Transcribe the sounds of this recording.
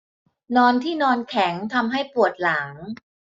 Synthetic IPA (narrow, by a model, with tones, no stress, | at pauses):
nɔː˧nt̪ʰiː˥˩nɔː˧nkʰɛ˩˦ŋt̪ʰa˧mɦa˥˩jpu˨˩ət̪̚laː˩˦ŋ